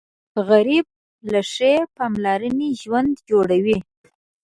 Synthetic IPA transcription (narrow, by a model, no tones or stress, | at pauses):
ɣaɾib̚ | laʂepɑmlɑɾəniʒwand̪d͡ʒoɽawi